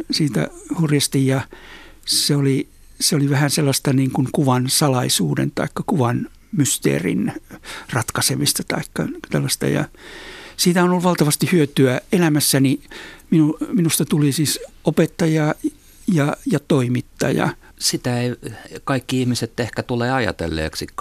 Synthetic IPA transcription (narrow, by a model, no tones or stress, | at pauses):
siːt̪æ̰hurjɑst̪ijjɑ | seoli | seoliʋæhænselːɑst̪ɑniːŋkuŋkuʋɑnsɑlɑisuːdḛnt̪ɑ̰ikːɑkuʋɑn | myst̪ḛːrḭnrɑt̪kɑsemist̪ɑt̪ɑ̰ikːɑt̪ælːɑst̪ɑ̰jɑ̰ | siːt̪æhonolʋɑlt̪ɑʋɑst̪ihyøt̪yæelæmæsːæniminuminust̪ɑt̪ulisiːsopet̪ːɑjɑ | jɑjɑt̪oimit̪ːɑ̰jɑ̰ | sit̪æeikɑikːiihmiset̪ehkæt̪uleːɑjɑ̰t̪ḛlːḛːksi